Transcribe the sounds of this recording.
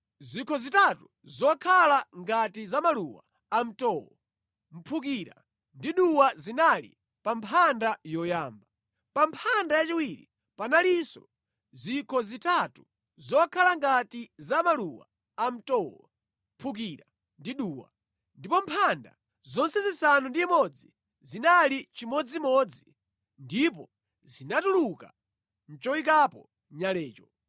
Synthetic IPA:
zikʰɔzitatu | zɔkʰalaŋɡatizamaluwa̰ | am̩tɔwɔ̰ | m̩pʰuk̬iɾa̰ | ndiɗuwazinalḭ | pampʰandajɔjaːmba | pampʰandajat͡ʃiwiɾi | panalisɔ | zikʰɔzitatu | zɔkʰalaŋɡatizamaluwa̰ː | m̩tɔwa̰ | pʰuk̬iɾa | ndiɗuːwa̰ | ndipɔmpʰanda̰ | zɔnsɛzisanundiːmɔd͡zi | zinalit͡ʃimɔd͡zimɔd͡zi | ndipɔ | zinatuluka̰ | n̩t͡ʃɔik̬apɔ | ɲalɛːt͡ʃɔ

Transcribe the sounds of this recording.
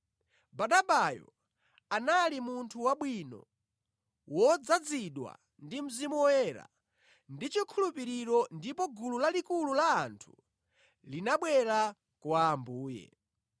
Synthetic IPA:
baɗabajɔ̰ | analimuntʰuwaɓwinɔ̰ | wɔd͡zad͡ziɗwa̰ | ndim̩zimɔwɛɾa̰ | ndit͡ʃikʰulupiɾiɾɔndipɔɡululalikululaːntʰu̥ | linaɓwɛɾa | kwaːmbuːjɛ̰

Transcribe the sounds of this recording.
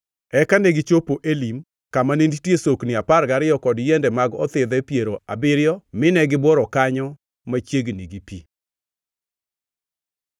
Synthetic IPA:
ɛkaneɡɪt͡ʃopoʔelim | kamanenditjesoknɪaparɡaɾɪjɔkɔdjɛndɛmaɡɔt̪ɪd̪ɛpjeɾoabɪɾɪjɔmɪnɛɡɪbwɔɾɔkaɲɔ | mat͡ʃjeɡniɡipḭ

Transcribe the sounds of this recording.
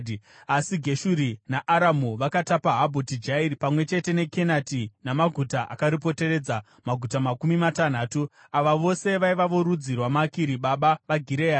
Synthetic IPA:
asiɡʱe̞ʃuɾinaʔaɾamuʋakatapaɦabʱotid͡ʒairipamwe̞t͡ʃe̞te̞ne̞ke̞natinamaɡʱutaʔa̰kaɾip̬o̞te̞re̞d͡za | maɡʱutamakumimatan̤aːtu | aʋaʋo̞se̞ʋaiʋaʋoɾud͡zirwamakiɾiɓaɓaʋaɡʱiɾea

